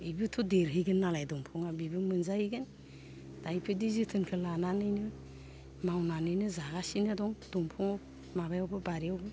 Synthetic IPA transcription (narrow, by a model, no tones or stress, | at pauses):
ibɯtʰɔdeɾɦɯɡɯnːalajdɔŋpʰɔŋabibɯmɯnzahiɡɯn | d̥ajpʰɯdizitʰɯnkʰɯlananɯjnɯ | mawnanɯjnɯzaɡasinɯdɔŋd̥ɔŋpʰɔŋɔ | mabajɔwbɯbaɾiawbɯ